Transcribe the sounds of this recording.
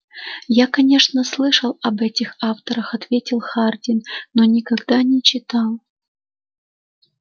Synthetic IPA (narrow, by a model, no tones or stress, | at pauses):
jakɐnʲe̞ʂnəslˠɨʂəlˠɐbɛtʲɪxaft̪əɾəxɐt̪vʲetʲɪlˠxardʲɪnːonʲɪkɐɡd̪anʲɪt͡ɕɪt̪alˠ